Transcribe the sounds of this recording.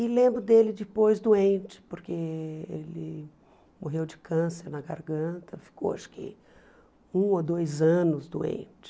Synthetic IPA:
ɪlẽmbɾʊd̪elɪd͡ʒɪpojzd̪uẽnt͡ʃɪ̥poɾkeḛlɪ | moɦewd͡ʒɪkʰɐ̃seɾnɐɡa̰ɾɡɐ̃t̪ɐfi̥kowa̰ʃkɪ̰ | ũod̪ojzɐ̃nʊzd̪uḛ̃t͡ʃɪ̥

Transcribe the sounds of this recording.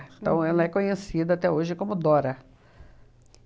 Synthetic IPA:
t̪ɐ̰̃w̃ɛlɐɛkõɲesid̪ɐat̪ɛoʒɪkõmʊd̪ɔɾɐ

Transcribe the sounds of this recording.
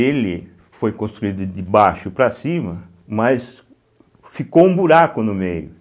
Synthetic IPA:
elɪ | fojkõst̪ɾuid̪ʊd̪ɪbaʃʊpɾɐsĩmɐ | mɐs | fikowũbuɾakʊnʊmejʊ̰

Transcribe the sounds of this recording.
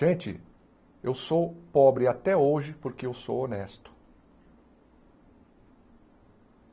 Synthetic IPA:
ẽnt͡ʃɪ̰ | ewsowpɔbɾɪat̪ɛoʒɪpoɾkɪewso̰wonɛst̪ʊ̥

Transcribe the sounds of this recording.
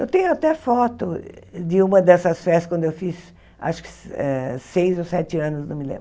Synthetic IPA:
ewt̪ẽɲʊat̪ɛfɔt̪ʊd̪ɪũmɐd̪ɛsɐsfɛskwɐ̃nd̪ʊewfis | a̰ʃʊ̥kɪ̥ɛsejzosɛt͡ʃɪɐ̃nʊznɐ̰̃w̃mɪlḛ̃mbɾ

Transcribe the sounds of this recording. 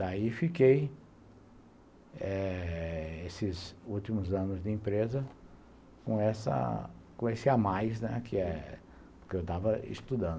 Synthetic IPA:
d̪aifikej | ɛ | esɪzuwt̪imʊzɐ̃nʊzd̪ɪẽpɾezɐ | kõɛsɐ̰kõesɪamajsnɛkʰɪɛ | kɪewt̪avɐḭst̪ud̪ɐ̃nd̪

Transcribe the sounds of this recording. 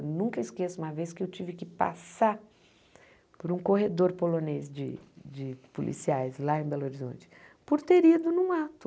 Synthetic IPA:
nũkɐɪskesʊumɐveskɪewt͡ʃivɪkɪpa̰sa | pʊɾũkohed̪oɾpolõnezd͡ʒɪd͡ʒɪpʊlʔḭsiajslaẽbɛloɾizõ̰t͡ʃɪ̥poɾt̪eɾid̪ʊnũat̪ʊ

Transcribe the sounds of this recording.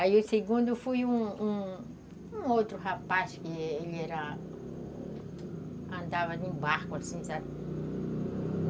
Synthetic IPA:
ajuseɡũnd̪ofujũũ | ũot̪ɾoɦapaʃkeeleɾa | and̪aβanĩbaɾkʷasĩsat̪

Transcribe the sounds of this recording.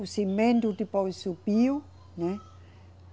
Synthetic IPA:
usimend̪ut̪ipoisupiu | ne

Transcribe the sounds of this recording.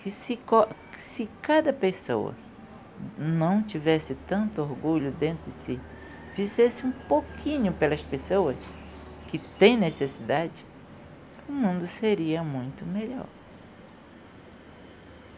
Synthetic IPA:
kɪ | sɪkad̪ɐpesowɐ̰ | nɐ̃w̃t͡ʃivɛsɪt̪ɐ̃nt̪ʊoɾɡuʎʊd̪ẽnt̪ɾʊd̪ɪsi | v̥izɛsɪũpokʰĩɲʊpelɐspesowɐs | kɪt̪ẽj̃nesesid̪ad͡ʒɪ | ʊmũnd̪ʊseɾiɐmũj̃t̪ʊmeʎɔ̰ɾ

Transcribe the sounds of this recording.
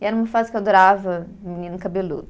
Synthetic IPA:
ɛɾɐũmɐfazɪkewɐd̪oɾavɐ | minĩnʊkabelṵd̪u

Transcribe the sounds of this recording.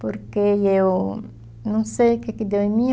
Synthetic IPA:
poɾkeew | nɐ̃w̃sejukekid̪ewmĩ

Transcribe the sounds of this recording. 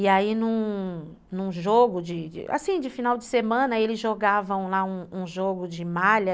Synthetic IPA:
iainũ | nũʒoɡʊd͡ʒɪd͡ʒɪ̰a̰sĩd͡ʒɪfinawd͡ʒɪsemɐ̃nɐelɪzʒoɡavɐ̃w̃laũũʒoɡʊd͡ʒɪmaʎɐ

